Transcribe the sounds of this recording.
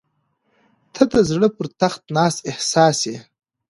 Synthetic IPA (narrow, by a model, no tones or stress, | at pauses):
t̪ʰad̪əzɽəpəɾt̪axt̪nɑːsehsɑːse